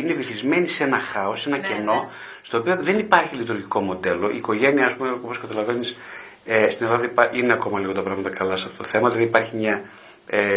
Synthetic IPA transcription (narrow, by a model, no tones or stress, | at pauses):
ine̞viθizme̞nise̞nɐxɐo̞se̞nɐce̞no̞ | st̪o̞ːpio̞ðe̞nipɐɾçilit̪uɾʝiko̞mo̞d̪e̞lo̞ʔḭːko̞ʝe̞niɐspumeo̞po̞skɐt̪ɐlɐvenis | est̪ine̞lɐðɐipɐʔineɐko̞mɐliɣo̞t̪ɐpɾɐɣmɐt̪ɐkɐlɐsɐft̪ot̪oθe̞mɐðilɐðipɐɾçimɲɐ | e